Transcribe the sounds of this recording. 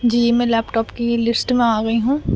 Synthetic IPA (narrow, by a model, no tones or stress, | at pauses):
d͡ʒiːmɛ̃ːlɛːpʈɔːpkilɪsʈmẽaːɡɐiɦũː